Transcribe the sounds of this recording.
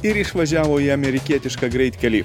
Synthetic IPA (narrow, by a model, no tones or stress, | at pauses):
ɪɾɪʃʋɐʒʲæːʋoːiɐmʲɛɾʲɪkʲiɛt̪ʲɪʃkɐɡɾʲɛɪt̪ʲkʲɛlʲiː